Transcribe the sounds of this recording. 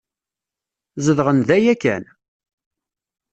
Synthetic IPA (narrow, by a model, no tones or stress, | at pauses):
zəðʁənðæjækːæ̰n